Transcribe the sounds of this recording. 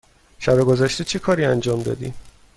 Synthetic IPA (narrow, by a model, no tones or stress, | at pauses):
ʃæbeɡo̞zæʃt̪e̞t͡ʃʰekʰɒːɾiːænd͡ʒɒːmd̪ɒ̰ːd̪ḭ